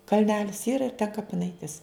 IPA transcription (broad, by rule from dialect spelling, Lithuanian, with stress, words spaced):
kɐlʲˈnʲæːlʲɪs ˈiːrɐ ɪr tʲɛn kɐpʲɪˈnɐɪtʲɪs